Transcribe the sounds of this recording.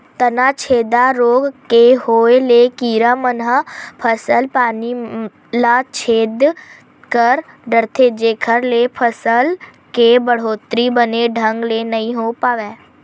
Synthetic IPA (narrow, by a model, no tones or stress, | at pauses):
t̪ənaːt͡ʃʰeːd̪aɾoːɡkeɦoːelekiːɾamənɦəpʰəsəlpaːni | lat͡ʃʰeːd̪ | kəɾɖəɾt̪ʰed͡ʒeːkʰəɾlepʰəsəl | kebəɽ̤oːt̪ɾibəneɖʱə̃ŋɡlenɐɦĩɦoːpaːʋeː